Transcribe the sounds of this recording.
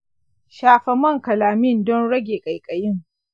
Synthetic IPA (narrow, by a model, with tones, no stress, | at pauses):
ʃaː˦˨ɸɐ˦mɐ˦˨ŋkɐ˨laː˨mɪ˦˨ndɔ˦nɽɐ˦ɡʲeː˨kʼɐ˨jkʼɐ˨jɪ˦ŋ